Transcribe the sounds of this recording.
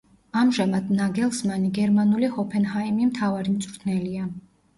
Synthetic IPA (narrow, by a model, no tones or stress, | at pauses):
amʒamad̪naɡɛlˠsmaniɡɛɾmanulihɔpʰɛnhaimimt̪ʰavaɾimt̪sʼɾt̪ʰnɛlia